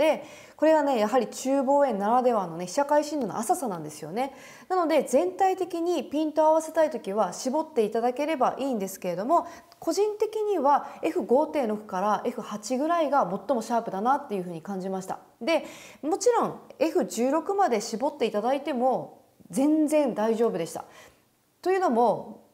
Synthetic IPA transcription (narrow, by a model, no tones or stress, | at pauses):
d̪e̞ | ko̞ɾe̞ɡane̞jaɦaɾʲit͡ɕɨːbo̞ːẽ̞nːaɾad̪e̞βanːo̞ne̞̥ɕakaiɕĩnd̪o̞no̰asasanãnd̪e̞sɨjo̞̰ne̞ | nano̞d̪e̞zẽ̞nt̪ait̪e̞kʲiɲ̟ipʲĩnt̪o̞aβ̞ase̞t̪ait̪o̞kʲiβ̞aɕibo̞t̪ːe̞it̪ad̪ake̞ɾe̞baʔiːnd̪e̞sɨ̥ke̞ɾe̞d̪o̞mo̞ | ko̞ʑĩnt̪e̞kʲiɲ̟iβae̞ɸɯ̟ɡo̞ːt̪ẽ̞ɾo̞kɯ̟̥kaɾaʔe̞ɸɯ̟hat͡ɕiɡɯ̟ɾaiɡamo̞t̪ːo̞mo̞ɕaːpɯ̟d̪anat̪ːe̞jɯ̟ɸɯ̟ːɲ̟ikãɲ̟d͡ʑimaɕi̥t̪a̰ | d̪e̞mo̞t͡ɕiɾõ̞ŋ̃e̞ɸɯ̟ʑɨːɾo̞kɯ̟mad̪e̞ɕibo̞t̪ːe̞it̪ad̪ait̪e̞mo̞ | d͡zẽ̞nd͡zẽ̞nd̪aiʑo̞ːbɯ̟d̪e̞ɕi̥t̪a̰ | t̪o̞jɯ̟ːno̞mo̞